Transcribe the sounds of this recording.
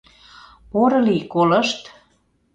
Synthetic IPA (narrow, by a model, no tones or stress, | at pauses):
poɾɤlikolɤ̆ʃt̪